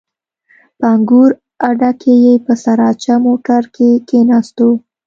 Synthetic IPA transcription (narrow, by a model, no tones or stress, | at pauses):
pəaŋɡuɾ | aɖakʰejepəsaɾɑt͡ʃamoʈaɾkʰekenɑst̪o